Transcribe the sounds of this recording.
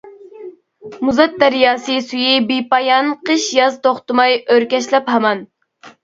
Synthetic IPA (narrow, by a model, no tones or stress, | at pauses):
muzɑt̪̚d̪æɾjɑːsɨsyjibipɑjɑnqəʃjɑzt̪oχt̪ɨmɑjøɾkʲɛʃlɛphɑmɑn